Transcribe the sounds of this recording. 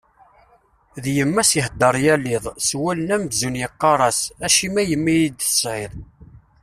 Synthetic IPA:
ðjəmːæsəhd̪əɾˤjælːɪðˤswælənæmzunjəqːɑɾˤɑsæʃimæjəmːijid̪θə̥sʁɪðˤ

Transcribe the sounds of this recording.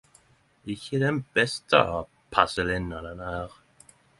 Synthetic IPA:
ɪçəd̪ɛnb̥ɛst̪ʰə̰ | pʰasəlɪnːad̪ənæːʁ

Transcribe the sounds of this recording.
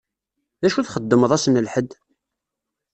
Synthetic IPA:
ðæʃuθχəd̪ːəməðˤæsnəlħəd̪

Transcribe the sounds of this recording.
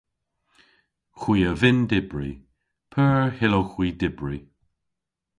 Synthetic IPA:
xwiːəvɪndɪbɹḭ | pʰɜːɹhɪloxwiːdɪbɹi

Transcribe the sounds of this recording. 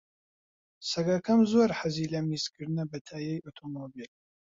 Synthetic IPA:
sɐɡɐkʰɐmzorħaziːlɐmisɡɨɾnɐbɐtʰaːjejotʰomobil

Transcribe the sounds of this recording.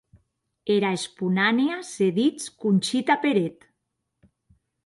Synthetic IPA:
eɾaespunaneaseðit͡skunʲt͡ʃit̪apeɾet̪

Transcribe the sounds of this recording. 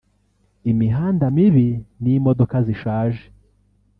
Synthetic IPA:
imiɦaːndamiβinimodo̞kaziʃaːʒe̥

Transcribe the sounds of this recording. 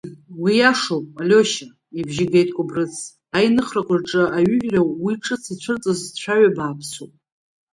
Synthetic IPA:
wijaʂowpʼalʲoʃa | ibʒiɡejtʼkʷʼʊbrɨt͡sʰ | ajnɨχrakʷʼarʈ͡ʂʼɨaɥʏħᶣrawiʈ͡ʂʼɨt͡sʰit͡ɕʷʰɨrt͡sʼɨzt͡ɕʷʰaɥabaːpʰsopʼ

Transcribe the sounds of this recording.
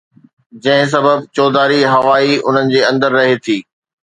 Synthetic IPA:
d͡ʑɐ̃ɦɪ̃s̬ɐbəb̚t͡ɕɔːd̪aːɾiɦɐʋaːiʊ̰n̤ənɪ̆d͡ʑeːɐ̃nd̪əɾːɐɦet̪ʰiː

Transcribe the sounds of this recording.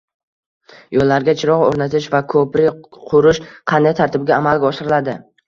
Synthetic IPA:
jolːaɾɡʲat͡ʃʰɪɾɒʁoɾnat̪ʰɪʃvakʰɵpɾɪqʰʊɾɪʃqʰɑnd̪ajt̪ʰaɾt̪ʰɪb̚ɡʲaːmalˠɡʲaɒʃɪɾɪlad̪ɪ

